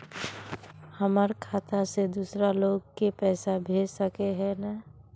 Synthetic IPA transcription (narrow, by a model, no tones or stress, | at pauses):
həməɾkʰaːt̪ased̪uːsɾaloːɡkepɛːsabʱeːd͡ʒsəkeɦɛna